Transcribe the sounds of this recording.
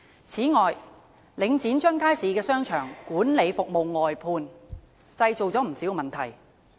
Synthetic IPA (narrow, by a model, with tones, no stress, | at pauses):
t͡sʰiː˨˥ŋɔː˨j | lɪ˨˧ŋt͡siː˨˥nt͡ʃœː˥ŋkaː˥jsiː˨˥kɛː˧sœː˥ŋt͡ʃʰœː˨˩ŋkuː˨˥nle˨˧jfʊ˨k̚mo˨wŋɔː˨jpʰuː˧n | t͡sɐ˧jt͡so˨wt͡sɔː˨˥m̩˨˩siː˨˥wkɛ˧mɐ˨nt̪ʰɐ˨˩j